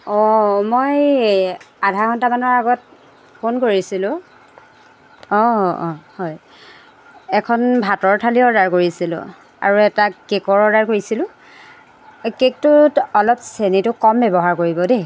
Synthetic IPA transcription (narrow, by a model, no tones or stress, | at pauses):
ɔmoj | adʱaɹxɔntamanɔɹaɡɔt | pʰonkoɹisilʊ̃ | ɔɔ̃hɔj | ɛkʰɔnbʱatɔɹtʰaliɔdaɹkoɹisilʊ̰̃ | a̰ɹuɛtakekɔɹɔdaɹkoɹisilʊ̃ | kek̚tʊtɔlɔpsenitʊkɔmbɛbɔɦaɹkoɹibɔde